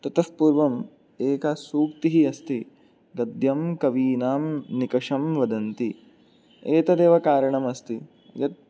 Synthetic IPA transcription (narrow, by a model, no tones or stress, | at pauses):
t̪ɐt̪ɐfpuːɾʋɐm | eːkɐsuːkt̪iɦiɐst̪i | ɡɐd̪jɐmkɐʋiːnaːmnikɐʂɐmʋɐd̪ɐnt̪i | eːt̪ɐd̪eːʋɐkaːɾɐɳɐmɐst̪i | jɐt̪̚